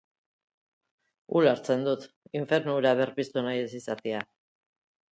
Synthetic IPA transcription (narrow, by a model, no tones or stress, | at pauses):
ulaɾt͡se̞nd̪ut̪ | iɱfe̞ɾnuuɾaβe̞ɾpist̪unajesisat̪ea